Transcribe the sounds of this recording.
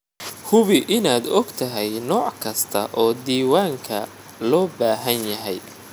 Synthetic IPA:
hʊβɪʔɪnaːd̪ɔɡt̪ʰɐɦɛjnɔːʕkʰɐst̪ʰɐ̰ʔɔːd̪iːwaːŋkʰɐ | lɔːbaːɦɐnjɐɦɛj

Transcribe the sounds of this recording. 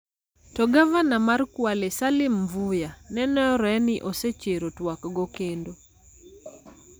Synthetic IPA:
tɔɡavanamarkwalesalɪmvujanɛnɔɔɾɛnɪʔoset͡ʃeɾotwakɡɔkendo

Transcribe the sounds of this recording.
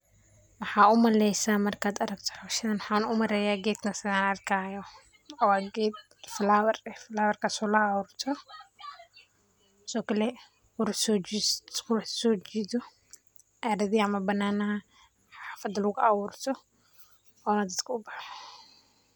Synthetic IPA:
wɑħaːʊmɐlɛjsaːmɐrkʰaːd̪ɐɾɐɡt̪ʰɔ̥ħɐʃɪðɐnwħaːnʊmɐɾɛjaːɡɛːd̪kʰɐsɪðaːnɐrkʰaːjɔ | ɔwaːɡɛd̪ | flaːwɐrɛfɪlaːwɐrkʰasɔːlɐawuːrt̪ʰɔ | sɔːkɐlɛ | kʊɾsɔkʊħsɔːt͡ʃiːðɔ | ʔaːɾɐðiːɐmɐbɐnːaːnɐɦɐ | ħaːfɐd̪lʊɣʊʔawuːrt̪ʰɔ | ɔːnɐd̪ɐd̪kʰɐʊbaħɔ

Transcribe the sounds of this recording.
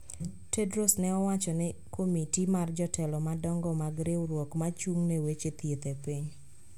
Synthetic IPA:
tedɾosnɛɔwat͡ʃɔnɪkʰomitimard͡ʒɔtɛlɔmadɔŋɡɔmaɡɾewɾwɔkmat͡ʃuŋnewet͡ʃet̪jet̪epiɲ

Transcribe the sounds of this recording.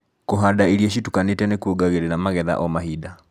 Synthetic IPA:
koɦadaiɾieʃitukanetɛnekuoɡaɣeɾeɾamaɣɛða̰ʔɔmaɦida

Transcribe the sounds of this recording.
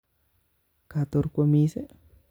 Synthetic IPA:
kat̪oɾkʷomise

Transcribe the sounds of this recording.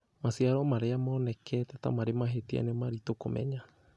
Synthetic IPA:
masiaɾomaɾeamonɛkʰɛt̪ɛt̪a̰maɾemaɦet̪ia̰nemaɾit̪okomɛ̰ɲa

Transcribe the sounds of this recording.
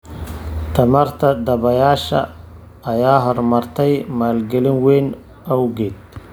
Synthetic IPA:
t̪ʰɐmɐrt̪ʰɐd̪ɐβɐjaːʃɐ̰ | ɐjaːɦɔrmɐrt̪ʰɛjmaːlɡɛlɪnwɛjn | ɐwɡɛːd̪̚

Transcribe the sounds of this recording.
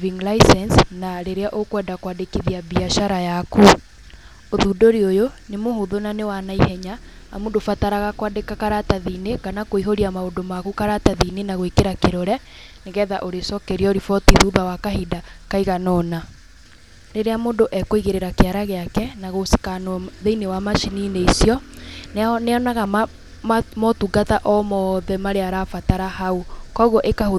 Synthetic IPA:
viŋɡlaisɛnsnaɾeɾeaʔokwɛːdakwadekiðiabiaʃaɾajaku | oðudoɾiojonemohoðonanewanaihɛɲa̰ː | moːndofataɾaɣakwadekakaɾataðineɣanakoiɦoɾiamaodomaɣukaɾataðinenaɣoikeɾakeɾoɾɛ | neɣɛːðaʔoɾesɔkɛɾiɔoɾifɔtiðuːbawakaɦidakaiɣanɔna | ɾeɾeamoːndoʔɛkoiɣeɾeɾakeaɾaɣeakɛnaɣosi̥kanðeinewamaʃinineisiɔnneɔnaɣam | mɔtuɡataʔɔmɔðɛmaɾeaɾafataɾahaukɔɣɔʔekaho

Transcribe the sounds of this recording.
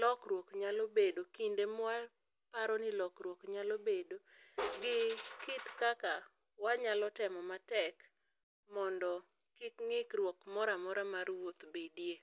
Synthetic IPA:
lɔkɾwokɲalobedokindema | paɾɔnɪlɔkrwokɲalobedoɡɪkɪtkaka | waɲalɔtɛmɔmatɛk | mɔndɔ | kɪkŋɪkrwɔkmɔɾamɔɾamarwot̪bedje

